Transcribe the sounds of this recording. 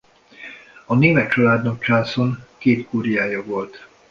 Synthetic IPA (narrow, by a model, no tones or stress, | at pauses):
ɒneːmɛt̪t͡ʃɒlaːd̪nok̚t͡ʃaːsonkeːt̪kuɾijaːjɒvo̞lt̪